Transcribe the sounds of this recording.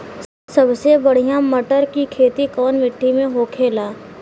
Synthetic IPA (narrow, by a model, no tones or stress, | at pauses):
sɐbsebɐɽ̤ijãmɐʈəɾkikʰeːt̪ikɔːnmɪʈʰːimẽɦoːkʰeːlaː